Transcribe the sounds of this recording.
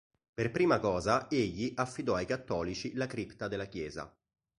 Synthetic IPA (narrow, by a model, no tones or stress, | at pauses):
perpɾiːmakɔːzaeʎːiʔafːid̪ɔajkat̪ːɔːlit͡ʃilakɾipt̪ad̪elːakjɛːza̰